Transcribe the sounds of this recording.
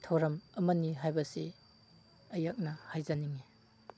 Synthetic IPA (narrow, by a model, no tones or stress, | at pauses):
tʰɐwɾɐmɐmɐnːiɦajbɐsi | ɐjak̚nɐhajzaniŋi